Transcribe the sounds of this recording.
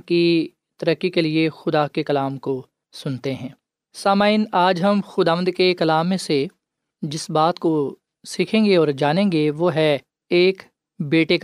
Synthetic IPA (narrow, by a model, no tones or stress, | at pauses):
ki | t̪ɐɾəkːikeliexʊd̪akekɐlaːmko | sʊnt̪eɦɛ̃ː | saːmaːɪnaːd͡ʒɦɐmxʊd̪aːʋə̃nd̪kekɐlaːmːẽse | d͡ʒɪsbaːt̪ko | sikʰẽːŋɡeɔːɾd͡ʒaːnẽːŋɡeʋoɦɛ | eːk | beːʈek